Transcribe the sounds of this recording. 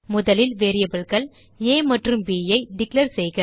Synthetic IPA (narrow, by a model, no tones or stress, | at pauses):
mʊðɐlɪlʋeːɾɪjɐbɪɭɣɐɭ | eːmɐʈrɯmbiːjɐɪɖɪklɐɾsɛjɣɪ